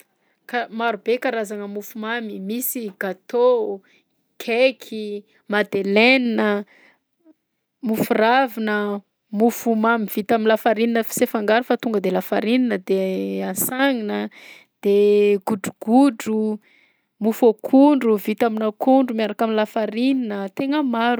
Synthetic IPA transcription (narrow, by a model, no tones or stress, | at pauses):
kamaɾubekaɾazaŋəmufumamimisiɡ̥at̪o | kʰekʰi | mad̪eleninə | mufuravinə | mufumamiv̥it̪aminlafaɾininəfi̥sefaŋɡaɾufat̪uŋɡəd̪elafaɾininəd̪easaŋinə | d̪̥eɡ̥uɖ͡ʐuɡ̥uɖ͡ʐu | mufokʰuɳɖ͡ʐuvit̪aminakuɳɖ͡ʐumiaɾakaminlafaɾininət̪eŋəmaɾu